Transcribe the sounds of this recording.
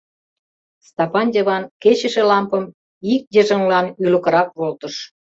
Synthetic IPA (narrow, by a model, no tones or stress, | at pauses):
st̪ɑpɑnd̪ʲeβɑnket͡ɕə̆ʃelɑmpəm | ik̚d̪ʲeʒəŋlɑnylə̆kə̆ɾɑk̚βolt̪ə̆ʃ